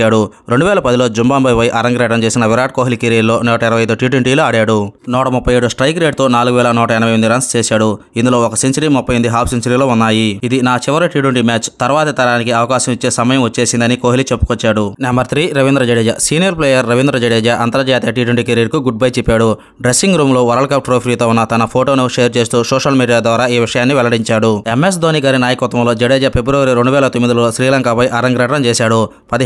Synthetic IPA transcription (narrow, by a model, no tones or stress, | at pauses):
aːɽu | ɾe̞ɳɖuʋɛːlɐpɐd̪ilo̞ːd͡ʒumbaːmbɐjpɐjiʔɐɾɐŋɡɾɛːʈɐmt͡ʃe̞ːsinɐʋiɾaːʈ̚koːɦilikeɾiːɾlo̞ːnɔːʈɐiɾɐʋɐjɐjd̪uʈiːʈ̬weɳʈiːloːaːɽaːɽunɔːʈɐmupːɐjeːɽusʈɾɐjkɾeːɖ̚t̪o̞ːnaːluɡuʋɛːlɐnɔːʈɐɛnɐʋɐjʋɐnd̪iɾɐːnst͡ʃeːsaːɽu | ind̪ulo̞ːɔkɐsint͡ʃɐɾimupːɐjmɐnd̪iɦaːpʰsint͡ʃɐɾiːlo̞ːunːaːjiid̪inaːt͡ʃiʋɐɾɐʈiːʈwuɳʈimaːt͡ʃt̪ɐɾʋaːt̪ɐt̪ɐɾaːnikiɐʋɐkaːʃɐmit͡ʃːeːsɐmɐjɐmʋɐt͡ʃːeːsind̪ɐnikoːɦilit͡ʃepːu̥kɔt͡ʃːaːɽunembɐɾt̪ʰɾiːɾɐʋind̪ɾɐd͡ʒeɽeːd͡ʒɐsiːnijɐɾp̬leːjɐɾːɐʋind̪ɾɐd͡ʒeɽeːd͡ʒaʔɐnt̪ɐɾɐd͡ʒaːt̪eʈiːʈuɳʈikeɾiɾkuɡuɖ̚bɐjt͡ʃipːaːɽu | ɖɾesːiŋɡɾuːmlo̞ːʋɐɾɐlkɐp̚ʈɾoːpʰɾiːt̪o̞ːunːɐt̪ɐnɐpʰoːʈoːnoʂeːɐɾt͡ʃe̞ːst̪uːsɔːʂɐlmiːɽijaːd̪ʋaːɾaːiːʋiʂɐjaːnːiʋɛlɐɽiɲt͡ʃaːɽue̞mes̬d̪ʱoːniːɡaːɾinaːjɐkɐt̪ːʋɐmlo̞ːd͡ʒeɽeːd͡ʒɐpe̞bɾɐʋɐɾiɾeɳɖuʋɛːlɐt̪omːid̪ilo̞ːʃɾiːlɐŋkapɐjʔɐɾɐŋɡɾɐʈɾɐmt͡ʃeːsaːɽu | pɐd̪i